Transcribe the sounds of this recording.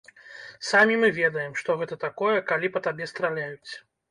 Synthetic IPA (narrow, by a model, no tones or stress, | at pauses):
samʲimɨvʲɛd̪ɐjɛmʂt̪ɔɣɛt̪ɐt̪akɔjɛkalʲipɐt̪abʲɛst̪ɾalʲajut͡sʲ